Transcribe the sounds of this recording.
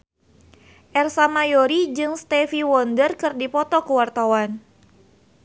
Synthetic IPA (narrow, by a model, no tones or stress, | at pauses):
ʔɛrsamajoɾid͡ʒɨŋst̪ɛfiwɔndərkɨrdipɔt̪ɔkuwart̪awan